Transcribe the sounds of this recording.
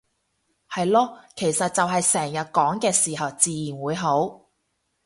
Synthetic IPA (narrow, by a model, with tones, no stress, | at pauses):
hɐ˨jlɔː˥kʰe˨˩jsɐ˨t̚t͡sɐ˨wɦɐ˨jsɛː˨˩ŋjɐ˨t̚kɔː˨˥ŋkɛː˧siː˨˩ɦɐ˨wt͡siː˨jiː˨˩nwuː˨˧jɦo˨˥w